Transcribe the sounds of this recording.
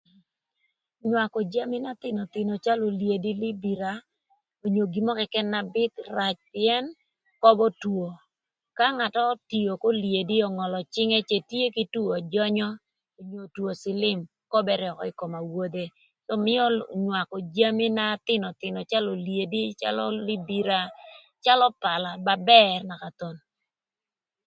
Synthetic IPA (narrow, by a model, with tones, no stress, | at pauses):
ɲwa˨kɔ˨d͡ʒa˦mɪ˦na˦t̪ɪ˦nɔ˨t̪ɪ˨nɔ˨t͡ʃa˦lo˨lje˨di˦li˦bi˨ɾa˨ | o˨ɲo˨ɡi˨mɔ˦kɛ˨kɛ˦nːa˨bɪ˦t̪ra˨t͡ʃpɪɛ˦n | kɔ˦bɔ˦two˨ | ka˦ŋa˨tɔ˦ti˨o˨ko˦lje˨di˦ɔ˨ŋɔ˨lɔ˨t͡ʃɪ˦ŋe˦t͡ʃe˨tje˦ki˦tu˦ɔ˨d͡ʒɔ˦ɲɔ˦ | o˨ɲo˨two˨sɪ˦lɪ˦m | kɔ˦bɛ˦ɾɔ˨kɔ̰˨ɪ˦ko˨ma˨wo˦d̪e˦ | sɔ˦mɪ˦ɔ˦ɲwa˨kɔ˨d͡ʒa˦mi˦na˦t̪ɪ˦nɔ˨t̪ɪ˨nɔ˨t͡ʃa˦lo˨lje˨di˦t͡ʃa̰˦lɔ̰˦li˦bi˦ɾa˦ | t͡ʃa˦lɔ˦pa˨la˨ba˨bɛ˦rna˨ka˨t̪o˨n